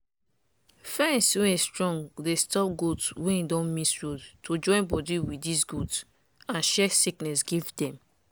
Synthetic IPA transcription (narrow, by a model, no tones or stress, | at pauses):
fɛ̃nswẽestɹɔ̃ŋɡdestɔp̚ɡodswẽĩdɔ̃nmisɹudtod͡ʒɔ̃ɪ̃nbɔdiwidis̬ɡuds | ãnʃɛsiknɛsɡivdɛ̃m